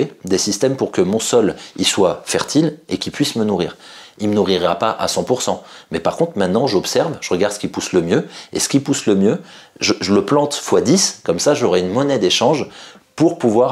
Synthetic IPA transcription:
ed̪esist̪ɛmpuʁkəmɔ̃sɔliswafɛʁt̪ʰilekʲilpɥismənuʁḭːʁilmənuʁiʁapaʔa̰sɑ̃puʁsɑ̃mɛpaʁkɔ̃t̪χmɛ̃t̪nɑ̃ʒɔpsɛʁvʒəʁəɡaʁd̪səkilpusləmjøḛsə̥kipusləmjøʒəʒələplɑ̃t̪fwad̪iskɔmsaʒɔʁɛynmɔnɛd̪eʃɑ̃ʒpuʁpuvwaʁ

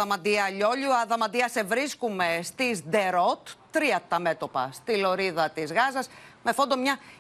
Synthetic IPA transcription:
ɐmɐd̪iɐʎo̞ʎuɐðɐmɐd̪iɐse̞vɾiskume̞st̪izd̪e̞ɾot̪ː | ɾiɐt̪ɐme̞t̪o̞pɐst̪ilo̞ɾiðɐt̪izɣɐzɐsme̞fond̪o̞mɲɐ

